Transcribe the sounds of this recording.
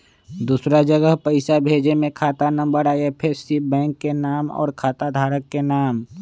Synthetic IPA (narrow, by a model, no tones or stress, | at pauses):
d̪uːsɾad͡ʒəɡəɦpəɪsabʱeːd͡ʒemẽkʰaːt̪anɐ̃mbəɾaːepʰɪɾsibɛ̃ːŋkːenaːmɔ̰ːɾkʰaːt̪ad̪ʱaːɾəkːenaːm